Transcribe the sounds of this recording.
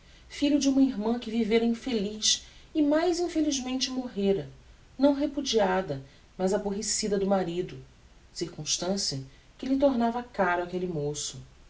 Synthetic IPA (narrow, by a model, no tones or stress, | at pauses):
fiʎʊd͡ʒɪũmɐiɦmɐ̃kɪviveɾɐĩfeliʃɪmajzĩfeliʒmẽnt͡ʃɪmoɦeɾɐ | nɐ̃w̃ɦepud͡ʒiad̪ɐ | mɐzaboɦesid̪ɐd̪ʊmaɾid̪ʊ | siɾkũʃt̪ɐ̃siɐ | kɪlɪt̪oɾnavɐkaɾʊakelɪmosʊ